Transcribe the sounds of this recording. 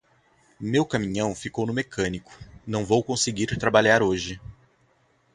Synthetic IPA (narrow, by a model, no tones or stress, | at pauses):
mewkamĩɲɐ̃w̃fikownʊmekʰɐ̃nikʊ̥nɐ̃w̃vowkõseɡiɾt̪ɾabaʎaɾoʒɪ